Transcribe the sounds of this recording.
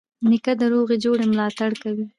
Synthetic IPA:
nɪkad̪əɾoɣed͡ʒoɽemlɑt̪aɽkawi

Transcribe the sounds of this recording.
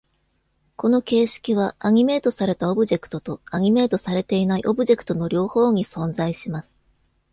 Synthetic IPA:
ko̞no̞ke̞ːɕi̥kʲiβ̞aaɲ̟ime̞ːt̪o̞saɾe̞t̪ao̞bɯ̟ʑe̞kɯ̥t̪o̞t̪o̞aɲ̟ime̞ːt̪o̞saɾe̞t̪e̞inaiʔo̞bɯ̟ʑe̞kɯ̟̥t̪o̞no̞ɾʲo̞ːho̞ːɲ̟isõ̞nzaiɕimasɨ̥

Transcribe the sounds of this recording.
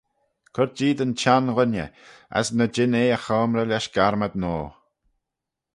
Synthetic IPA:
kʰʊɾ̚d͡ʒiːd̪ənt͡ʃanɣʊnə̰ | a̰snəd͡ʒɪneːəxɔːmɾəlɛʃɡ̥aɾməd̪noː

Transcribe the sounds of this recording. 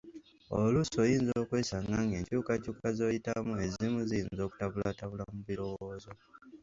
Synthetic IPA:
o̰luso̞jiːnzo̞ːkweːsaŋɡaŋɡe̞ɲcuːkacuːkazo̞jitamue̞zimuzijiːnzo̞ːku̥taβulataβulamuβiɾo̞wo̞ːzo

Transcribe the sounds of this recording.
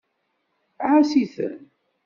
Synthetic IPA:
ʕasiθə̰n

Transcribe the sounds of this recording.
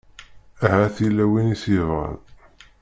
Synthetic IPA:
æɦæθilːæwinisivʁə̰ð

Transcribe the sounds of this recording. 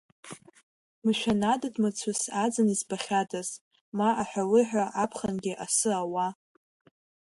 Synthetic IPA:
mɨʃʷᶣanadadmɨt͡sʷʰʊsad͡zanizbaχʲadaz | maʔaħʷᶣalɨħʷᶣaʔapʰχanɡʲiʔasɨawa

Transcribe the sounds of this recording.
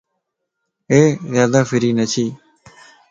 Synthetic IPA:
eːzjaːd̪aːfɪɾiːnət͡ʃʰiː

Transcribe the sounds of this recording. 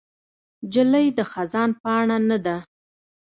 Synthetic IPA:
d͡ʒələjd̪əxazɑnpɑɳanad̪a

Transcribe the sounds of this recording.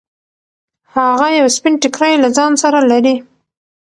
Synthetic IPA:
haɣajawspɪnʈɪkɾajlad͡zɑnsaɾalaɾi

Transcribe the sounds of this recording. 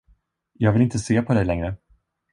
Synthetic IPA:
jɑːɡvɪlɪnt̪əseːpʰɔd̪ɛjlɛŋɾə

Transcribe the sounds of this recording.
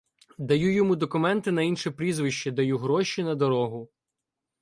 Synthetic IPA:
d̪ɐjujɔmud̪ɔkʊmɛnt̪ɪnɐinʃipɾʲizʋɪʃt͡ʃɛd̪ɐjuɦɾɔʃinɐd̪ɔɾɔɦʊ

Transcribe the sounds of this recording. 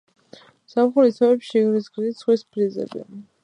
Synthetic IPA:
samχuɾisʰaɛpʃiɡɾisɡzisχwispʰɾizɛ̰bɛ̰

